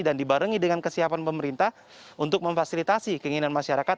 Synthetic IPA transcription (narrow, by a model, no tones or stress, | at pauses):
dandibaɾəŋidəŋankəsiapanpəməɾint̪ah | unt̪ʊk̚məɱfasilit̪asikəiŋinanmaʃaɾakat̪